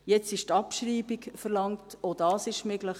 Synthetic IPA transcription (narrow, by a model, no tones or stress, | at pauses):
jɛt͡sɪʃtɑpʃɾiːbikfəɾlɑŋtʰodɑːsɪʃmøɡləχ